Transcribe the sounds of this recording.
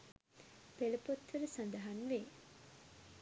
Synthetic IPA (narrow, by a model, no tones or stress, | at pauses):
pelupot̪ʋəɾəsɐnd̪ɐɦɐnʋeː